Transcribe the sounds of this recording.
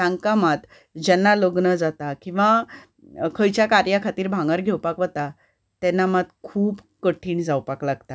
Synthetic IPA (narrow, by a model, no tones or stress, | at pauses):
tãŋkamat̪ | d͡ʑɛnːaləɡnəd͡zat̪akĩw̃ʋa | kʰəjt͡ɕjakaɾjakʰat̪iːɾbʱãŋɡəɾɡʱewpakʋət̪a | t̪ɛnːamat̪kʰuːb | kəʈʰiːɳd͡zawpaklaɡt̪a